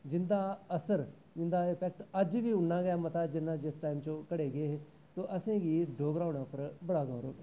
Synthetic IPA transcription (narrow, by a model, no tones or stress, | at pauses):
d͡ʒɪnd̪aːəsəɾ | d͡ʒɪnd̪aːɪpɛːk̚ʈəd͡ʒʋiːʊɳnãːɡəjaːmət̪aːd͡ʒɪnːãːd͡ʒɪsʈaːɪmt͡ʃõːkəɽeːɡəeːɦeː | t̪oːʔəsẽːɡiːɖoːɡɾãːʊɳaːpəɾbəɽaːɡãːɾo̰ː